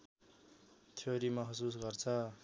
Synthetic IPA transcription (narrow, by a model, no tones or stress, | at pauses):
t̪ʰoɾimʌɦʌsus̬ɡʌrt͡sʰʌ